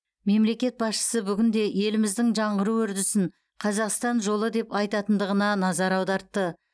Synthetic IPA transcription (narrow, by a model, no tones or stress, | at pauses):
me̞mle̞kʲe̞t̪̚bɑsʃə̥səbʏɡʲɪnd̪e̞je̞lɪmɪzd̪ɪŋʒɑɴʁəɾuʏɾd̪ɪsɪŋ | qʰɑzɑqst̪ɑnʒo̞lˠəd̪e̞pɑjt̪ɑt̪ənd̪əʁənɑnɑzɑɾɑwd̪ɑɾt̪ːə